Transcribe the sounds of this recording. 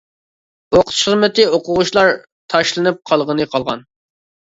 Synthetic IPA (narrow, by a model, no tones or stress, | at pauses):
oqʰt̪ʃχɨzmɛt̪ɨoqʊʁuʃlˠɑɾ | t̪ʰɑʃlˠɨnɨp̚qʰɑlˠʁənɨqʰɑlˠʁɑ̰n